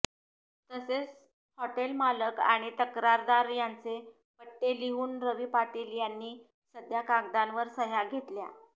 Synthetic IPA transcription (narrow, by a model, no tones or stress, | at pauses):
t̪əses | hɔʈelmaləkaɽ̃it̪əkɾaɾd̪aɾjant͡se | pəʈːeliɦuːnɾəʋiːpaʈiljanːiː | səd̪jakaɡ̚d̪anʋəɾsəɦjaɡʱet̪lja̰